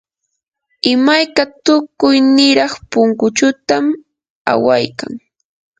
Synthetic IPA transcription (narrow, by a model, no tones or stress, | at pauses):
ɪmajkat̪ʊkʊjnɪɾɑχpʊŋkʊt͡ʃʊt̪am | a̰wajka̰ŋ